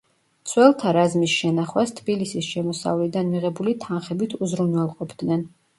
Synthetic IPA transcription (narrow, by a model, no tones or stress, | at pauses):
t̪sʰwɛlˠt̪ʰaɾazmisʃɛnaχwast̪ʰbilisisʃɛmɔsa̰vlid̪anmiʁɛbulit̪ʰanχɛbit̪ʰuzɾunwɛlˠqʼɔpʰd̪nɛn